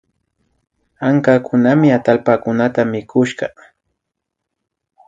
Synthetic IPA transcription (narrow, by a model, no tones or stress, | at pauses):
aŋkakʊnamɪat̪alpakʊnat̪amɪkʊʃɢɑ